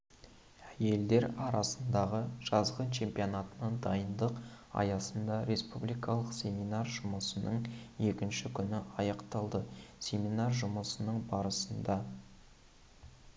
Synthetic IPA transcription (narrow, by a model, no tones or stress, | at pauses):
æje̞ld̪e̞ɾɑɾɑsənd̪ɑʁəʒ̥ɑzʁɑnt͡ʃʰe̞mpijonɑt̪ənəɴd̪ɑjənd̪əq | ɑ̰jɑsənd̪ɑɾe̞spublˠijkɑlˠəqsʲe̞minɑrʒʊməsənəɴje̞kʲɪnʃɪkʲʰʏnɪɑjɑqt̪ɑlˠd̪əsʲe̞minɑrʒʊməsənəɴbɑɾəsənd̪ɑ